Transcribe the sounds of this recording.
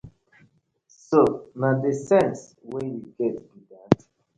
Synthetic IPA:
sonadəsɛ̃nswejiɡɛtbiɡãnt

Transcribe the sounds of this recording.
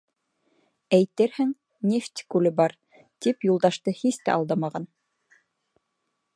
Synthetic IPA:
æjt̪ɘɾhɘŋ | nʲeft̪ʲkʉlɘbɑɾ | t̪ipjulˠd̪ɑʃt̪ɤhist̪æ̰ʔɑ̰lˠd̪ɑmɑʁɑn

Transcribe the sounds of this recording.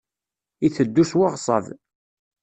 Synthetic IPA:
iθəd̪ːuswaʁsˤɑ̰v

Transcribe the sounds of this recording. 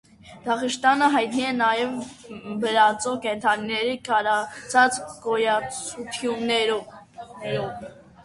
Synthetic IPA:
d̪̥ɑχəʃt̪ɑnəɦɑjt̪niɛnɑjɛvbəɾɑt͡sɔkɛnt̪ʰɑninɛɾikʰɑɾɑt͡sʰɑt͡skɔjɑt͡sut̪ʰjunːɛɾ | ɾɔv

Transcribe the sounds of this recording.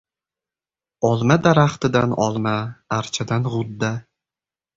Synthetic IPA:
ɒlˠmad̪aɾaχt̪ɪd̪anɒlˠmaːɾt͡ʃʰad̪anʁʊd̪ːa

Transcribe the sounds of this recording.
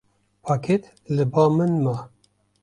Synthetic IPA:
pʰakʰet̪ | lɨbɑːmɨnma

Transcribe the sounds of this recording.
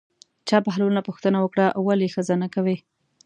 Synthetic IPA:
t͡ʃɑpaɦlunapuxt̪ənawəkɽaʔwalexəzanakawe

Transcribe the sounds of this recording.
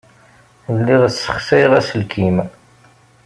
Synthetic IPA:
əlːiʁəsːə̥χsæjʁæsəlkʰim

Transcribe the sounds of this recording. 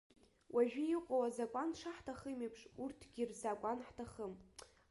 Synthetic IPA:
wʔaʒᶣiiqʷʼowazakʷʼanʂaħtʰaχəmipʰʂurtʰɡʲirzakʷʼanħtʰaχəm

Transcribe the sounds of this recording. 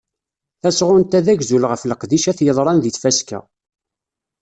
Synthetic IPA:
θæsʁʊnt̪æðæʝzulʁəfləqðiʃæθjəðˤɾˤɑnðiθfæskæ̰

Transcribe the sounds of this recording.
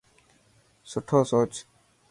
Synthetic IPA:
sʊʈʰoːsoːt͡ʃ

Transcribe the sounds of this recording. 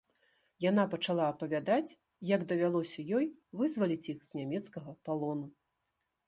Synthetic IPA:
jan̪apɐt͡ʂalˠaːpɐvʲad̪at͡sʲ | jɐɡd̪ɐvʲalˠɔsʲɐjɔjvɨzvɐlʲit͡sʲixz̥ʲnʲamʲɛt̪skɐɣɐpalˠɔnu

